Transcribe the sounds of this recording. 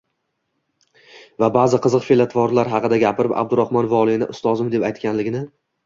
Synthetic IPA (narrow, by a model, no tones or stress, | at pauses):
vabazɨqʰɨzɨqfelat̪ʰvɒɾlaɾɦɑqʰɨd̪aɡʲapʰɪɾɪpa̰bd̪ʊɾahmɒnvɒlˠinɪ̰ʔʊst̪ɒzɪmd̪e̞pajt̪kʲanlɪɡʲɪnɪ